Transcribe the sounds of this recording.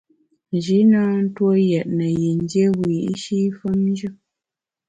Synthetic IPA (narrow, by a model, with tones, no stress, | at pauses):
n˨d͡ʒi˨˦na˦n̩˦two˦jɛ˨ʔ̚nə˨je˨n˦dje˦wiː˨i˦ʃi˦fə˦mn˦d͡ʒɨ˦